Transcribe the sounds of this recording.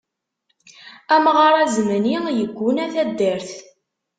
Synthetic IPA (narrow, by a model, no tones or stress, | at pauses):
æmʁɑɾˤæzmənijəɡʷːʊnæθæd̪ːəɾθ